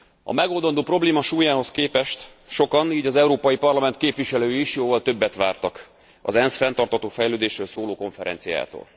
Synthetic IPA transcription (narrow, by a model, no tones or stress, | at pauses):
ɒ̰mɛɡo̞ld̪ɒnd̪oːpro̞bleːmɒʃuːjaːɦo̞skeːpɛʃt̪ | ʃo̞kɒniːɟɒzɛuɾoːpɒjipɒrlɒmɛnt̪keːpvʋiʃɛløːjiiʃjoːvɒlt̪ø̞bːɛt̪ʋaːrt̪ɒk | ɒ̰zɛnsfɛnt̪ɒrt̪hɒt̪oːfɛjløːd̪eːʃrøːlsoːloːko̞ɱfɛɾɛ̰nt̪sija̰ːt̪o̰ːl